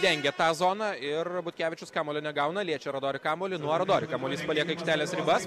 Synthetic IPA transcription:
d̪ʲɛŋʲɡʲɛt̪ɑːzoːnɑɪrbʊt̪ʲkʲæːʋʲɪt͡ʃʲʊskɑːmoːlʲɛnʲɛɡɐʊnɐlʲiɛt͡ʃʲɛɾod̪oːɾʲɪkɑːmoːlʲɪnuɔɾɐd̪oːɾʲɪkɑːmoːlʲiːspɐlʲiɛkɐikʃʲt̪ʲæːlʲeːsɾʲɪbɐs

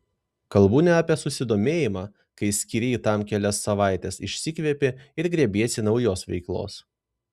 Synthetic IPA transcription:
kɐlˠbuːnʲɛɐpʲiɛsʊsʲɪd̪oːmʲeːjɪmɑː | kɐɪsʲkʲiɾʲɛːt̪ɑmkʲɛlʲɛsːɐʋɑˑɪt̪ʲɛsɪʃʲsʲɪkʋʲiɛpʲɪɪɾɡɾʲɛbʲiɛsʲɪnɒʊjoːsʋʲɛ̰ɪklˠo̰ːs

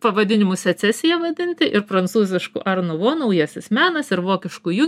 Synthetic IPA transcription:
pɐʋɐd̪ʲɪnʲɪmʊsʲɛt̪sʲɛsʲɪjɛʋɐd̪ʲɪnʲt̪ʲɪʔɪɾpɾɐnt̪suːzʲɪʃkʊ̰ʔɐɾnʊʋoːnɐʊjɛsʲɪsmʲæːnɐsɪɾʋoːkʲɪʃkuju

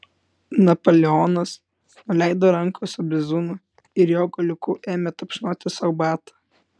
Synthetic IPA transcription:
nɐpoːlʲɛɔːnɐs | nʊlʲæˑɪd̪oːɾɐŋkosʊbʲɪzuːnʊ | ɪɾjoːɡɐlʲʊkʊʔeːmʲɛt̪ɐpʲʃnoːt̪ʲɪsɐʊbɑːt̪ɐ̥

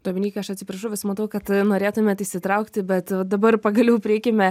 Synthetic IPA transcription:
t̪omʲɪnʲiːkɐɐʃɐt̪sʲɪpɾɐʃʊʋʲɪsmɐt̪ɐʊkɐt̪noːɾʲeːt̪ʊmʲɛt̪ɪːsʲɪt̪ɾɐʊkt̪ʲɪbʲɛt̪ʋɐd̪ɐbɐrpɐɡɐlʲɛʊpʲɾʲɪɪkʲemʲɛ

